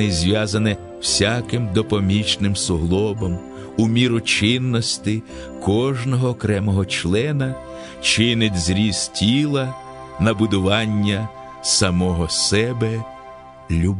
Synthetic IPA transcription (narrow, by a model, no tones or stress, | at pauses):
ɪzʲʋʲjazɐnɛ | w̥sʲakɪmd̪ɔpɔmʲit͡ʃnɪmsʊɦlˠɔbɔm | umʲiɾʊt͡ʃɪnːɔsʲt̪ɪ | kɔʒnɔɦɔːkɾɛmɔɦɔt͡ʃlˠɛnɐ | t͡ʃɪnɪtʲzɾʲiz̥tʲilˠɐ | nɐbʊd̪ʊʋɑnʲːɐ | sɐmɔɦɔsɛbɛ | lʲub